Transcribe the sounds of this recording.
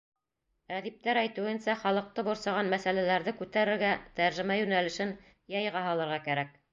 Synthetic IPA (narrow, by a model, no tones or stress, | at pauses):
ʁæðip̚t̪æɾæjt̪ɘ̆wɘ̆nsæχɑlˠɤ̆q̚t̪ɤbŏɾsɑʁɑnmæsælælæɾðɘkʉt̪æɾɘ̆ɾɡæt̪æɾʒɘ̆mæjʉnælɘ̆ʃɘn | jɑjʁɑɦɑlˠɤ̆ɾʁɑkæɾæk̚